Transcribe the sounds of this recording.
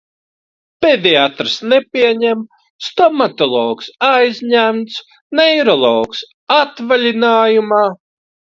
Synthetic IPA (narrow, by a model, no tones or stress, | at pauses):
pʲed̪ʲiat̪ɾsnɛpʲiɛɲɛm | st̪ɔmat̪ɔlˠɔːksajzʲɲæmt̪s | nɛjɾɔlˠɔːks | at̪valʲinaːjumaː